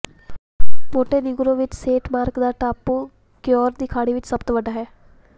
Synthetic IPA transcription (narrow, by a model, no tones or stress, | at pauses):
moːʈeːnɪɡʊɾõːʋɪt͡ʃseːʈmaːɾkd̪aːʈaːpːuː | keɔːɾd̪iːkʰaːɽiːʋɪt͡ʃsəbt̪ʋəɖaːɦɛː